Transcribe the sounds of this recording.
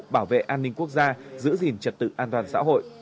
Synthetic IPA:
ɓaː˧˩wvḛ˧˨ʔaː˧nːï˧ŋku˦˥ək̚zaː˧zɨ̰˧˥zi˨˩nt͡ɕə˨˩t̚t̪ɨ̰˧˨ʔaː˧nt̪waː˨˩nsa̰ː˧˥ɦo̰˧˨jʔ

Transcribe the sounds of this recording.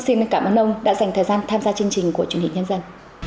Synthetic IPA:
si˧nkaː˧˩mʔəː˧nʔə˧wŋ͡mɗa̰ː˧˥za˨˩jŋ̟t̪ʰəː˨˩jzaː˧nt̪ʰaː˧mzaː˧t͡ɕɨ˧əŋt͡ɕï˨˩ŋ̟ku˧˩ət͡ɕwənhï˨˩ɲə˧nzə˧n

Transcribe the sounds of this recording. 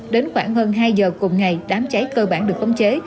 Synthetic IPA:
ɗe˨˦nxwaː˧˩ŋhəː˧nɦaː˧jzəː˨˩kʊ˨˩ŋ͡mŋa˨˩jɗaː˨˦mt͡ɕa˨˦jkəː˧ɓaː˧˩nɗɨ˨˩ək̚ə˨˧˦wŋ͡mt͡ɕe˨˦

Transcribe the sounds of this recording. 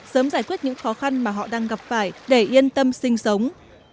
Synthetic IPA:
səː˨˦mzaː˧˩jkwi˦˥t̚ɲɨ̰˧˥ŋxɔ˨˦xa˧nmaː˨˩ɦɔ̰˧˨ɗaː˧ŋɣa˨˩p̚faː˧˩jɗe˧˩ʔi˧ənt̪ə˧msï˧ŋ̟sə˨˦wŋ͡m

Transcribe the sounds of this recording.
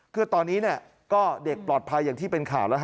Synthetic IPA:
kʰɯ˧˩ɐt̪ɔː˧nːiː˦˥ni˥˩ɐ | kɔː˥˩de˨˩k̚plɔː˨˩t̪̚pʰa˧jːaː˨˩ŋt̪ʰiː˥˩pe˧nkʰaː˨˩˦wlɛ˦˥

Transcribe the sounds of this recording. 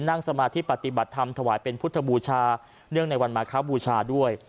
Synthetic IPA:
nːa˥˩ŋsa˧maː˧t̪ʰiː˦˥˩pa˨˩t̪i˨˩ba˨˩t̪ʰːa˧mt̪ʰa˧waː˩˦jpe˧npʰu˦˥t̪ʰːa˧buː˧t͡ɕʰaː˧ | nɯ˥˩əŋna˧jwa˧nmaː˩˦kʰaː˦˥buː˧t͡ɕʰaː˧du˥˩əj

